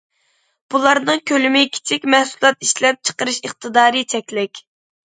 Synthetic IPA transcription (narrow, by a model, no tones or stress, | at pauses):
b̥ulˠɑɾnɨŋkʲʰølymɪkʲʰi̥t͡ʃʰikʲmɛhsulˠɑt̪iʃlɛp̚t͡ʃʰə̥qəɾɨʃəχt̪ʰɨd̪ɑːɾɨt͡ʃʰɛkʲlɪkʲ